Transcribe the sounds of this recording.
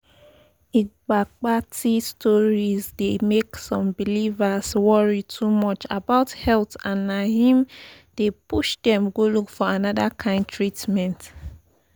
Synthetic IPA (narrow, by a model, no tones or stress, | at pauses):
iɡ͡bak͡patʰistʰɔɹizdemeksɔ̃mbilivaswɔɹitʰumɔt͡ʃa̰baʊthɛltãnːahĩm | d̥epuʃdɛ̃mɡolukfɔanɔdakʰãɪ̃nd̚tʰɹitmɛ̃nt